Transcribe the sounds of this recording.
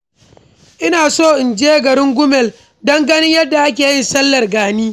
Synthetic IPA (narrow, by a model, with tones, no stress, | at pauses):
ʔɪ˦naː˨soː˦˨ʔɪ˨nd͡ʒeː˦ɡɐ˨ɾɪ˦ŋɡʷʊ˦mɛ˨l | dɐ˦ŋɡɐ˦nɪ˦ɲjɐ˦dːa˨ʔa˦k̬ʲeː˨jɪ˦˨nsɐ˦lːɐ˨rɡaː˨niː˦